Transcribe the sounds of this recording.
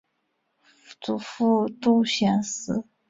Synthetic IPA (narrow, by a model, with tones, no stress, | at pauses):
t͡su˨˩fu˥˩t̪u˥˧ɕjɛ˧˩nsɹ̩˧˥˦